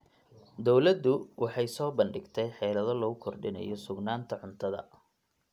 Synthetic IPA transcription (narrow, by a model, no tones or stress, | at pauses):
d̪ɔwlɐd̪ːʊwʔɑħɑjsɔːbɐnɖɪɡt̪ʰɛjħɛːlɐðɔlɔɣʊkʰɔrɖɪnɐ̰jɔsʊɡnaːnt̪ʰɐʕʊnt̪ʰɐðɐ̰